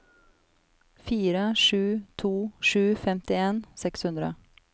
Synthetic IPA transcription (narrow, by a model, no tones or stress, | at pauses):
fiːɾəʂʉːt̪ʰuːʂʉːfɛmt̪ɪeːnsɛkshʉnd̪ɾə̰